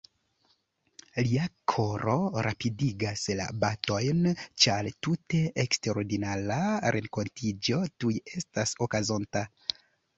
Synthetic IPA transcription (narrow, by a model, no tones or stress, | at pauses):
liakʰo̞ɾo̞ɾapidiɡasla̰bato̞jnt͡ʃaltute̞ekste̞ɾoɾdinalaɾʔe̞ŋko̞ntʰid͡ʒo̞tuje̞staso̞kazo̞nta